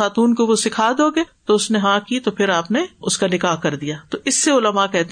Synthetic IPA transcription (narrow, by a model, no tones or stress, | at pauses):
aːt̪uːnkoʋosɪkʰaːd̪oːɡeːt̪oʊsneɦãːkit̪opʰɪɾaːpneʊskanɪkaːɦkɐɾd̪ijaːt̪oʔɪsːeʊləmakɛɦt̪e